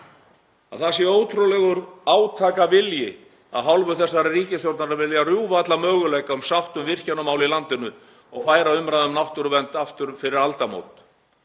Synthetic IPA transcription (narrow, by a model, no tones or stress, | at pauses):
a̰ðθasjɛoːwt̪ʰɾulɛɣʏɾaːwt̪ʰaːkavɪljɪ | a̰ðɦalvʏθɛsːaɾriːcɪsjowɾt̪naɾavɪljarjuːvat̪lamœːɣʏlɛjkaʏmsawht̪ʏmvɪr̥canːʏmaːwlilant̪ɪnːʏ | ɔɣfaːjɾaʏmɾaðʏmnawht̪ʏɾvɛnt̪aft̪ʏɾfɪɾɪɾalt̪amo̰ːwt̪